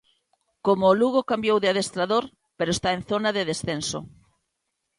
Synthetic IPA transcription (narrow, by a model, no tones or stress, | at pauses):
komoːluɣokambjowðɪaðest̪ɾaðoɾ | peɾoest̪aẽnθonaðeðesθenso̰